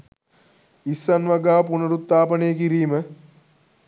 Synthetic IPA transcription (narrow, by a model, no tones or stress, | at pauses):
isːɐnʋaɡaːpunɐɾut̪ːaːpənejəkiɾiːmə